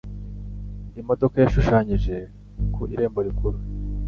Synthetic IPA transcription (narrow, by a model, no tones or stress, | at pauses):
imo̞do̞kajaʃuʃaɲiʒe̞ | kʰuiɾe̞ːmbo̞ɾikuɾu